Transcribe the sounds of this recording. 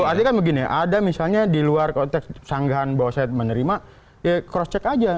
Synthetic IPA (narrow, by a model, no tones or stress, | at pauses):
oart̪ikanbəɡinḭʔadamisalɲadiluarkɔnt̪ɛkssaŋɡaɦanbawasaɛt̪̚mənəɾima | jakɾɔst͡ʃɛkad͡ʒa